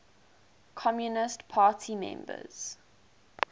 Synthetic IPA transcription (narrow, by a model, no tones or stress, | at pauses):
kʰɔmjunɪstpʰaːtʰimɛ̰̃mbə̰z̥